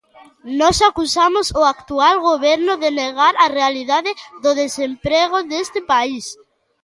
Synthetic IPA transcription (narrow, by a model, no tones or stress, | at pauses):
nɔsakusamʊsʊakt̪ualɣoβɛɾnʊðeneɣaɾarealiðaðɪðʊðesempɾeɣ̞ʊðest̪ɪpais